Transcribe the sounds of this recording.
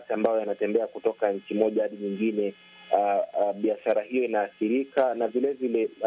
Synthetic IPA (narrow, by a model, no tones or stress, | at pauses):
tiambajɔjanatɛmbɛakutɔkaɲ̩t͡ʃimɔʄaaɗiɲiŋɡinɛ | ɓiaʃaɾahijɔinaːθiɾikanavilɛvilɛ